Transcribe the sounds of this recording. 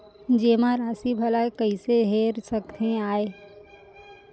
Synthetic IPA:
d͡ʒeːmãɾaːsibʱɐlaekəiseɦeːɾsəkt̪ẽaːe

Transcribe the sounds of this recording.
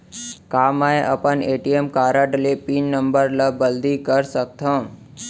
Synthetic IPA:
kaːmaeʔə̰pəneːʈiemkaːɾəʈlepiːnːə̃mbəɾləbəld̪ikəɾsək̚t̪ʰə̃

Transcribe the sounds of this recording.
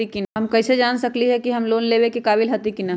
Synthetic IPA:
ikinɦɐmkɐːsed͡ʒaːnsɐkliɦɛkiɦɐmloːnleːbekekaːbɪlɦɐt̪ikinɐ

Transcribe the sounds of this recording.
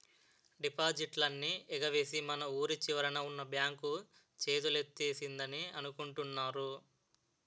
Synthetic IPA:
ɖipaːd͡ʒiʈlɐnːiɛɡɐʋe̞ːsimɐnɐuːɾit͡ʃiʋɐɾɐnɐunːɐbjaːŋku | t͡ʃe̞ːd̪ulet̪ːeːsind̪ɐniɐnukuɳʈunːaːɾu

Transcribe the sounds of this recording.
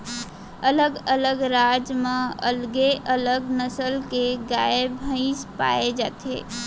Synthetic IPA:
ələɡələɡɾaːd͡ʒmẽə̰lɡeʔələɡnəsəlkeɡaebʱə̃ɪspa̰ed͡ʒaːt̪ʰḛː

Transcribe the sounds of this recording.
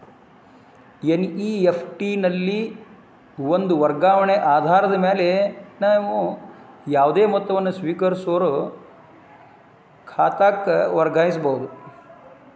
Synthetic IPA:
jeniiːepʰʈinɐlːi | ʋond̪uʋɐɾɡaːʋɐɳeʔaːd̪ʱaːɾɐd̪ɐmeːlenɐʋujaːʋd̪eːmɔt̪ːɐʋɐnːɐsʋiːkɐɾsoːɾo | kʰaːt̪aːkʋɐɾɡaːjis̬bɐɦud̪u

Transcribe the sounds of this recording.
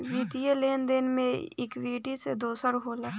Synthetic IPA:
ʋiːt̪ijəleːnd̪eːnmẽɪ̰kʋeːʈised̪oːsəɾɦolɐ

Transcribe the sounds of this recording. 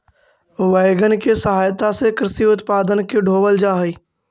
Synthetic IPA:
ʋeːɡənkesəɦaːjt̪asekɾɪsiʊt̪paːd̪ənkeɖʱoːʋəld͡ʒaːɦəiː

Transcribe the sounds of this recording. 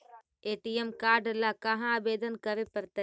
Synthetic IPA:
eːʈijemkaːɾɖlakɐɦãːbeːd̪ənkɐɾepɐɾt̪e

